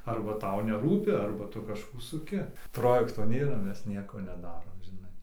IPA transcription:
ˈɐrbɐ ˈtɐʊ nʲɛˈruːpʲɪ ˈɐrbɐ ˈtʊ kɐʃˈkuː sʊˈkʲɪ ˈproːjɛktoː ˈnʲeːrɐ ˈmʲɛs ˈnʲiɛkoː nʲɛˈdɑːroːm ʒʲɪˈnɐɪ

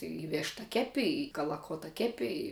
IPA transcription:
ɪ ˈʋʲeːʃtɐ ˈkʲæːpʲɪ ɪ kɐlˠɐˈkoːtɐ ˈkʲæːpʲɪ ɪ

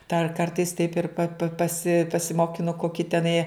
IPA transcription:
dɐr ˈkɐrtɐɪs tɐɪp ɪr pɐ pɐ pɐˈsʲɪ pɐsʲɪmoːkʲɪˈnʊ koːˈkʲiː tʲɛˈnɐɪ

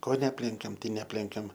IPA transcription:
ˈkoː nʲɛˈɑːpʲlʲɛŋʲkʲɛm ˈtɐɪ nʲɛˈɑːpʲlʲɛŋʲkʲɛm

